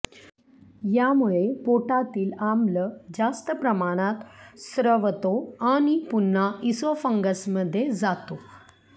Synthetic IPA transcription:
jamuɭepoʈat̪iːlamləd͡zast̪əpɾəmaɽ̃at̪sɾəʋt̪oaɽ̃ipunːaisʋəfəŋɡəsməd̪ʱːjed͡zat̪o

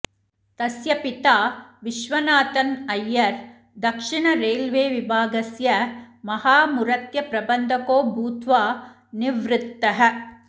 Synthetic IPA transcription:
t̪ɐsjɐpit̪aːʋiʃʋɐnaːt̪ɐnɐjːɐɾ | d̪ɐkʂiɳɐɾeːlʋeːʋibʱaːɡɐsjɐmɐhaːmuɾɐt̪jɐpɾɐbɐnd̪ʱɐkoːbʱuːt̪ʋaː | niʋɾɪt̪ːɐɦɐ

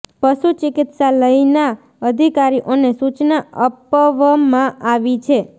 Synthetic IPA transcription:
pəʃut͡ʃɪkɪt̪saləina | əd̪ʱikaɾiʔonesut͡ʃnaəpəʋmãʔaʋit͡ʃʰe

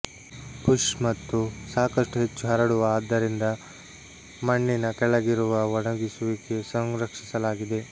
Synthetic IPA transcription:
puʂmɐt̪ːusaːkɐʂʈuɦe̞t͡ʃːuɦɐɾɐɽuʋɐːd̪ːɐɾind̪ɐ | mɐɳːinɐkɛɭɐɡiɾuʋɐʋɔɳɐɡisuʋike̞sɐŋɾɐkʂi̥sɐlaːɡid̪e̞

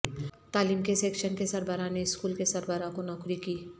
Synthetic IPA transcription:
t̪aːliːmkeseːkʃənkesɐɾbəɾaneɪskuːlkesɐɾbəɾãkonɔːkɾikiː

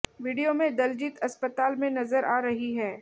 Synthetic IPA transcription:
ʋiːɖijomẽd̪ɐld͡ʒiːt̪ɐspət̪aːlmẽnɐzəɾʔaːɾɐɦiɦɛː

